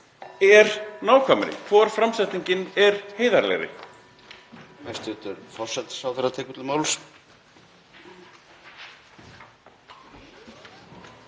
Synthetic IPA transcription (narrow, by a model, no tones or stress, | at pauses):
ɛɾnaːwkʰvaːmɪɾɪ̰kʰvɔɾ̥fɾamsɛt̪niɲcɪnɛɾ̥heːjðaɾlɛ̰jɾɪ̰ | hajst̪ʏːt̪ʏɾfɔr̥sɛt̪sawθerat̪ʰɛːkʏt̪lɪmaːwls